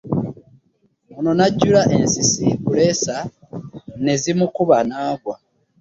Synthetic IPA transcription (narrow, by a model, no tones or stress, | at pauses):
ono̞naɟːulaʔe̞nsisikule̞sa | ne̞zimukuβanaːɡwa